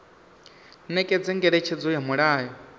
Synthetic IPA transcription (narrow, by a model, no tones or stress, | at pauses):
nɛkʼɛd͡zɛŋɡɛɺɛt͡ʃʰɛd͡zɔjamɔɺaːjɔ